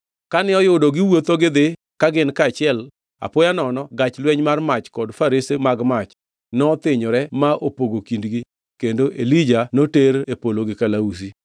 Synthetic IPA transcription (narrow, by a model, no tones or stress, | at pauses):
kanɪɔjʊdɔɡɪwot̪oɡɪd̪ɪ | kaɡɪnkaːt͡ʃɪɛl | a̰pojanɔnɔɡat͡ʃlwɛɲmarmat͡ʃkɔdfaɾisemaɡmat͡ʃ | nɔt̪ɪɲɔɾɛmaʔopoɡokindɡi | kendoʔelid͡ʒanoteɾepoloɡɪkalaus̬i